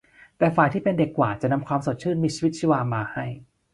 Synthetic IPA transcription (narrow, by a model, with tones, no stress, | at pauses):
t̪ɛː˨˩faː˨˩jt̪ʰiː˥˩pe˧nde˨˩kːwaː˨˩t̚t͡ɕa˨˩na˧mkʰwaː˧mso˨˩t̪̚t͡ɕʰɯː˥˩nmiː˧t͡ɕʰi˧wi˦˥t̪̚t͡ɕʰi˧˥˧waː˧maː˧ha˥˩j